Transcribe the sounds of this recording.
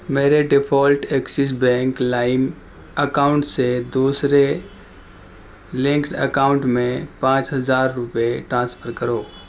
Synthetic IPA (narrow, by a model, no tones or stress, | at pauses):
meːɾeɖɪpʰɔːlʈeksɪs̬bɛ̃ːŋklaːɪm | əkaːʊ̃ɳʈsed̪uːsɾe | lɪ̃ŋkʈəkaːʊ̃ɳʈmẽpãːt͡ʃɦɐzaːɾːʊpeʈɾãːspʰəɾkəɾoː